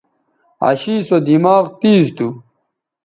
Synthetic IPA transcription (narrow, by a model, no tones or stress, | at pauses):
ɐ̰ɕiːsod̪imaːʁt̪iːzt̪u